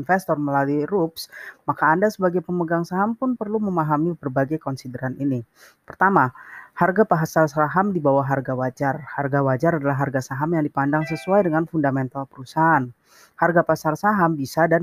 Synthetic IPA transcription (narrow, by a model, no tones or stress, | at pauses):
nfɛst̪ɔrməlaluiɾupsmakaːndasəbaɡajpəməɡaŋsaɦampʊnpərluməmaɦamibərbaɡajkɔnsidəɾanini | pərt̪amaharɡapaɦasarsaɦamdibawaɦarɡawad͡ʒarharɡawad͡ʒaɾadalaɦarɡasaɦamjaŋdipandaŋs̬əsuajdəŋanfundamɛnt̪alpəɾusaɦan | harɡapasarsaɦambisadan